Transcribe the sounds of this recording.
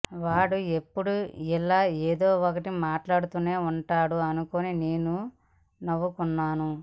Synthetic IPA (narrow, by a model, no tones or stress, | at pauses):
ʋaːɽue̞pːuɽuilːaːeːd̪o̞ːɔkɐʈimaːʈlaːɽut̪une̞ːuɳʈaːɽuɐnukonine̞ːnu | nɐʋːukunːaːnu